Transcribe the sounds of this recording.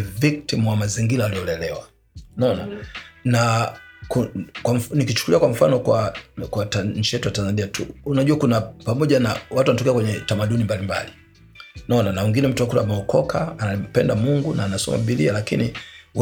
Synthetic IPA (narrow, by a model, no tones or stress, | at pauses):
vik̚timwamaziŋɡilaːliɔlɛlɛwa | nɔnanakukwamnikit͡ʃu̥kuliakwam̩fanɔkwakwataɲ̩t͡ʃijɛtujatanzaniatʰṵunaʄuakunapamɔʄanawatuanatɔkɛakwɛɲɛtamaɗunimbalimba̰li | nɔnanawiŋɡinɛm̩tuakulamɛɔkɔkʰaːnam̩pɛndamuŋɡunaːnasɔ̰ma̰ɓilialakiniw